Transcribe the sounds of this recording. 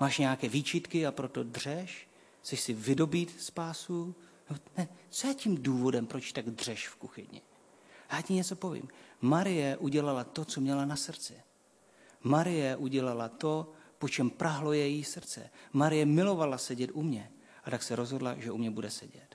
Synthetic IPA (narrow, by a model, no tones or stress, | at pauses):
maːʃɲɛjakɛːviːt͡ʃɪt̪kɪapɾot̪o̞d̪r̝̥ɛʃ | t͡sɛʃsɪvɪdo̞biːt̪spaːsu | nɛnɛt͡sojɛcimduːvo̞dɛmpɾot͡ʃt̪aɡd̪r̝ɛʃfkuxɪɲɪ̰ | jaːcɪɲɛt͡so̞po̞vḭːmmaɾɪjɛʔuɟɛlalat̪o̞t͡so̞mɲɛlanasr̩t͡sɪ | maɾɪjɛʔuɟɛlalat̪o̞po̞t͡ʃɛmpɾʔaɦlo̞jɛjisr̩t͡sɛ̰maɾɪjɛmɪlo̞valasɛɟɛt̪ʔumɲɛ | ʔat̪aksɛɾo̞zɦo̞dla̰ʒɛʔumɲɛbudɛsɛɟɛt̪